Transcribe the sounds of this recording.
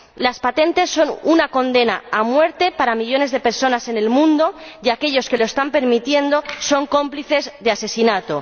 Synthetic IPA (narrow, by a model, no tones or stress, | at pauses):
laspat̪e̞nt̪e̞sːo̞nunako̞nd̪e̞naːmwe̞ɾt̪e̞paɾamiʎo̞ne̞zðe̞pe̞ɾso̞nase̞ne̞lmũnd̪o̞jake̞ʎo̞ske̞loest̪ampe̞ɾmit̪je̞nd̪o̞so̞ŋko̞mpliθe̞zðease̞sinat̪o̞